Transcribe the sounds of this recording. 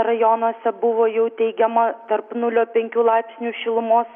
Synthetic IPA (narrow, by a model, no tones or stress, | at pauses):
ɾɐjonoːsʲɛbʊʋoːjɛʊt̪ʲɛɪɡʲɛmɐt̪ɐɾpnʊlʲoːpʲɛŋʲkʲuːlˠɑɪpʲsʲnʲuːʃʲɪlˠʊmoːs